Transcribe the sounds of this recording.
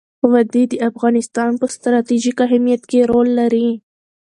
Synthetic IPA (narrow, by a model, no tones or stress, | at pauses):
wad̪id̪əafɣɑnɪst̪ɑnpəst̪ɾɑt̪iʒikaɦɪmijat̪keɾolːaɾi